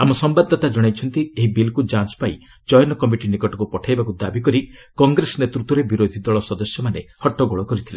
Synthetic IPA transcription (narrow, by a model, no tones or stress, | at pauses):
amɔsɔmbad̪ʱːɔt̪ad͡ʒɔɽ̃ajt͡ʃʰɔnt̪ieɦibilkud͡ʒanspaj | d͡ʒɔjɔnɔkɔmiʈinikɔʈɔkupɔʈʰajbakud̪abikɔɾikɔŋɡɾesɔnet̪ɾut̪wɔɾebiɾod̪ʱid̪ɔɭɔsɔd̪ɔsjɔmanehɔʈːɔɡɔɭɔkɔɾit̪ʰila̰